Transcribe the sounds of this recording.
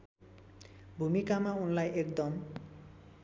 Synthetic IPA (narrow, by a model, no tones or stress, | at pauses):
bʱumikamaunlajekd̪ɔm